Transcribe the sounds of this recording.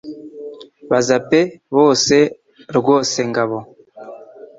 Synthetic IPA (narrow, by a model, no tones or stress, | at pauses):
βazapeβoːse | ɾuɡoseŋɡaβo